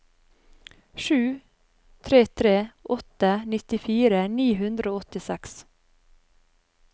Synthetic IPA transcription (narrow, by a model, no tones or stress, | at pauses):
ʃʉː | t̪ʰɾeːt̪ʰɾeːʔɔt̪ənɪt̪ɪfiːɾəniːɦʉnd̪ɾəoːɔt̪ɪsɛks